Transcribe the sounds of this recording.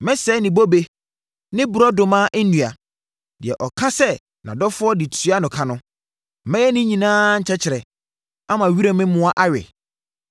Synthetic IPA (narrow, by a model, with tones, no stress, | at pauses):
mɛ̃˦sɛ˦nĩ˨bo˦be˦ | nɪ̃˦bʊ˨ɾɔ˦dʊ̃˨mãː˦ʔɛ˦nũ˨a˨ | dɪ˨ɛ˨ʔɔ˨kʰã˦sɛ˦ | nã˨dɔ˦fʊ˦ɔ˦di˨tʰu˦a˦nʊ̃˨kʰã˦nʊ̃˦˨ | mɛ̃˦jɛ˦nɪ̃˦ɲĩ˨nãː˦ɲ̩˨t͡ɕʰɛ˦t͡ɕʰɪ˨ɾɛ˨ | a˦mã˨ɥi˦ɾe˦mɪ̃˦mʊ̃˦a˦ʔa˦ɥɛ̰˨